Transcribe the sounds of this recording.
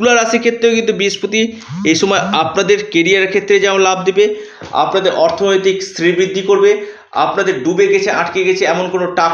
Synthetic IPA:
ulaɾaʃiɾkʰet̪ːɾeokint̪̬ubiʃpot̪i | ejʃɔmɔeapnad̪eɾkeɾiaɾkʰet̪ːɾed͡ʑaolab̚d̪ebe | a̰pnad̪eɾʔɔɾt̪ʰonojt̪ikst̪ɾibɾid̪ʱːikoɾbe | a̰pnad̪eɾɖubeɡɛt͡ɕʰeʔaʈkeɡɛt͡ɕʰeɛmonkonoʈa

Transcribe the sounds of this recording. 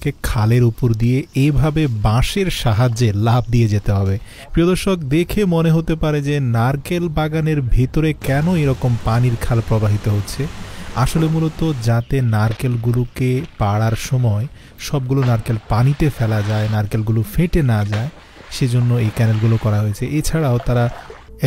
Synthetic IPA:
kekʰaleɾupoɾd̪ijeejbʱabebãʃeɾʃaɦad͡ʑelab̚ʱd̪ied͡ʑet̪eɦɔbe | pɾiod̪oɾʃok̚d̪ekʰemoneɦot̪epaɾed͡ʑenaɾkelbaɡaneɾbʱet̪oɾekɛnoeɾɔkompaniɾkʰalpɾobaɦit̪oɦotːɕʰea̰ʃolemulot̪od͡ʑat̪enaɾkelɡulukepaɽaɾʃɔmɔe | ʃɔb̚ɡulonaɾkelpanit̪efɛlad͡ʑaenaɾkelɡulofeʈenad͡ʑae | ʃed͡ʑonːoejkɛnelɡulokɔɾaɦojet͡ɕʰeʔet͡ɕʰaɽaot̪aɾa

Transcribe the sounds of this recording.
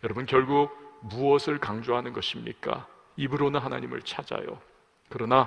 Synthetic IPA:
jʌɾʌbɯnkjʌɭɡuɡ̚muʌsʰɯɭkaŋd͡ʑoɦanɯnɡʌɕʰimɲḭk͈a̰ | ibɯɾonɯnɦana̰ɲimɯ̰ɭt͡ɕʰad͡ʑa̰jo̰ | kɯɾʌna

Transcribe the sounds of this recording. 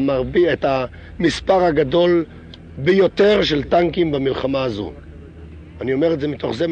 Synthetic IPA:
maʁbieta | mispaʁaɡado̞l | bejo̞t̪e̞ʁʃeltaŋkimbamilχamaːzṵ | anio̞meʁetdze̞mit̪o̞χzem

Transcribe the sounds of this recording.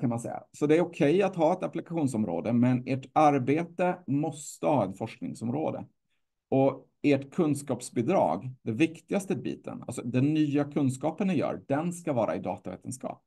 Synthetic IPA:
kʰanmansɛ̰jːa̰sɔd̪ɛæɾɔkʰɛjat̪ɦɑːɛt̪aplɪkaɧuːnsɔmɾo̰ːd̪əmɛneʈaɾbeːt̪əmɔst̪əhɑːɛnfɔʂknɪŋsɔmɾo̰ːd̪ə̰ | ɔ | eʈkʰɵnskɑːpsbɪd̪ɾɑ̰ːɡd̪ɛvɪkt̪ɪɡast̪əbḭːt̪ʰə̰na̰lsɔd̪ɛnːyːakʰɵnskɑːpənːɪjœ̰ːɖɛnskavɑːɾʔa̰ɪd̪ɑ̰ːt̪avḛːt̪ʰənskɑ̰ːp̚

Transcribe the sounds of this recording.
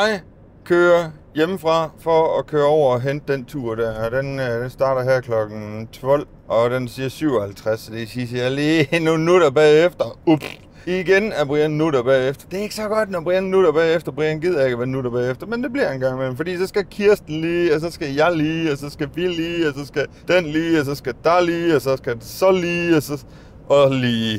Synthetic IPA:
jɑ̈ɪ | kʰøːɐjeməfʁɑ̈fɒːkʰøːɐɒʊ̰ɐɒɦend̥̚d̥ent͡sʰuɐ̰ɾ̥æɐ̰d̥end̥ensd̥ɑ̈ːɾɐɦæɐkʰlɒ̽ɡ̥n̩t͡sʰʋɒ̽l̰ | ʔɒ̽d̥ensiːɐsyʊ̰ɒhælt͡sʰʁasd̥esisjaliːnonːuɾ̥ɐb̥ɛːefd̥ɐubs | iɡ̥enæb̥ʁiɐnnuɾɐb̥ɛ̰ːefd̥ɐd̥e̝e̝ɡ̥əsɒ̽ɡ̥ɒ̽d̥nɒb̥ʁiɐnnuɾ̥ɐb̥ɛːefd̥ɐb̥ʁḭnɡ̥ið̞̰ˠɐe̝ɡ̥əʋænuɾɐb̥ɛ̰ːefd̥ɐmend̥e̝b̥liɐenɡ̥ɑ̈ŋmelm̩fɒdḭːsɒ̽sɡ̥ækʰiɐsd̥n̩liːɒs̬ɒ̽sɡ̥æjɑ̈ɪliːɒsɒ̽sɡ̥æʋiliːɒsɒ̽sɡ̥æ | d̥enliːɒs̬ɒ̽sɡ̥æd̥ɑliːɒsɒ̽sɡ̥æd̥esɒ̽liːɒsɒ | ʔɒliː

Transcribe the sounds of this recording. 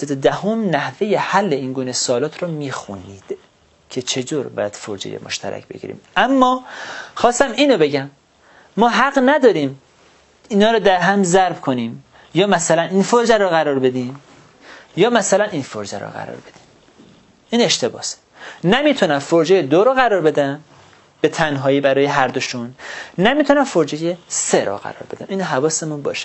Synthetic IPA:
set̪od̪æhomnæhvejehælːeiːnɡuːnesɒːlɒːt̪ʰɾɔmiːxuniːd̪̥ | cʰe̞t͡ʃʰe̞t̪ʰoːɾbɒ̰ːjæd̪̥foɾd͡ʒḛjḛmʔoʃt̪ʰæ̰ɾæ̰cʰbḛɟḭːɾḭːmæmːɒxɒːst̪æmiːnobe̞ɟæmː | ɒːɦæɢnæd̪ɒːɾiːm | iːnɒːɾɒːd̪æɾɦæmzæɾbkʰoniːm | jɒːmæsælæninfoɾd͡ʒæɾɔɣæɾɒːɾbe̞d̪im | jɒːmæsælæninfoɾd͡ʒæɾɔ̰ɢæ̰ɾɒ̰ːɾbe̞d̪im | iːne̞ʃt̪e̞bɒ̰ːse̥ | næmit̪ʰunæmfoɾd͡ʒejed̪oɾɔːɣæɾɒːɾbe̞d̪æn | b̥e̞t̪ʰænɦɒːjibæɾɒːjeɦæɾd̪oʃunnæmiːt̪ʰunæmfoɾd͡ʒejeseɾɔ̰ɢæ̰ɾɒ̰ːɾbe̞d̪æmiːnɦævɒːsemunbɒ̰ːʃe̥

